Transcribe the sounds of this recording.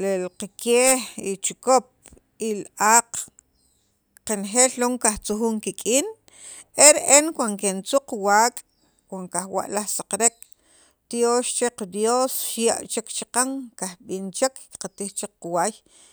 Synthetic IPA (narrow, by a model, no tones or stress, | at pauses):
lelqakeːhit͡ʃukop̚ | ilʔaːq | qenxeːlloːŋkaht͡suxuːŋkikʼiːn | eɾʔenkwaŋkent͡suqwaːkʼ | kwaŋkaxwa̰ʔlaχsaqɾek̚ | t̪joːʃt͡ʃeqad̪joːsʃja̰ʔt͡ʃekt͡ʃiqaŋkahɓint͡ʃekqat̪ixt͡ʃekquwaj